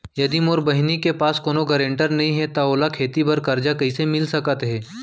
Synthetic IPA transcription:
jɐd̪imoːɾbɐɦɪnikepaːskoːnoɡɐɾẽːɳʈəɾnɐɦĩɦɛt̪aoːlakʰeːt̪ibɐɾkɐɾd͡ʒakɐisemɪlsɐkət̪ɦɛː

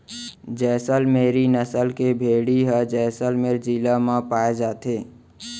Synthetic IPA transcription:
d͡ʒɛːsəlmeːɾinəsəlkebʱeːɽiɦəd͡ʒɛːsəlmeːɾd͡ʒilamãpaːed͡ʒaːt̪eː

